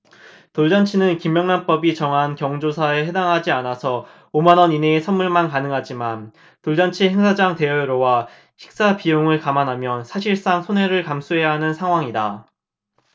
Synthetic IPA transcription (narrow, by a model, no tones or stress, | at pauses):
toɭd͡ʑant͡ɕʰinɯnkimjʌŋnanp͈ʌbit͡ɕʌŋɦankjʌŋd͡ʑosʰae̞ɦe̞daŋɦad͡ʑianasʰʌ | omanʌnineːsʰʌnmːuɭmankanɯŋɦad͡ʑiman | toɭd͡ʑant͡ɕʰiɦeŋsʰad͡ʑaŋte̞jʌɾowa | ɕʰi̥k̚s͈apijoŋɯɭkamanɦamjʌnsʰaɕʰiɭs͈aŋsʰoneɾɯɭkams͈ʰuɦe̞jaɦanɯnsʰaŋɦwaŋida